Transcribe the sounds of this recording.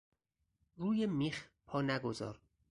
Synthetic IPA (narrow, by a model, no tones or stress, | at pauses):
ɾuːjemiːxpʰɒːnæɡozɒ̰ːɾ